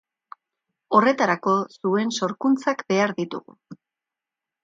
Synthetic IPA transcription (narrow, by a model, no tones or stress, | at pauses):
o̞re̞t̪aɾako̞sue̞nso̞ɾkunt͡sakbe̞aɾðit̪ṵɣṵ